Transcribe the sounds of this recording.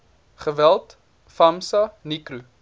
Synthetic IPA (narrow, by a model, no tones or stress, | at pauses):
χəvælˠt | fɐmsɐnikɾu